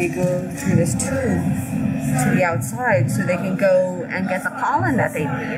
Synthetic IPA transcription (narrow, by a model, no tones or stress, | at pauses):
iɡoʊθɨðɪstʰu | tʰɨðiaʊtsaɪd̥soʊðeɪkɨ̃nɡoʊ | ɨ̰̃nɡɛt̪̚ðəkʰɑlˠə̃ndɨ̰t̪̚ðeɪ